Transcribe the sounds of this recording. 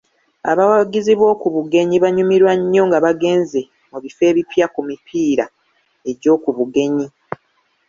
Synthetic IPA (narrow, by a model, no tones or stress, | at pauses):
a̰βawaɡiziβwo̞ːkuβuɡe̞ɲiβaɲumiɾwaɲːo̞ŋɡaβaɡe̞ːnze̞ | muβife̞ːβipjakumipʰiːɾa | e̞ɟo̞ːkuβuɡe̞ɲi